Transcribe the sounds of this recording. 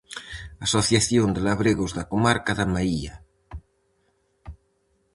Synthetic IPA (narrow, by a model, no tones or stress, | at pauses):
asoθjaθjond̪elaβɾeɣozðakomaɾkaðamaia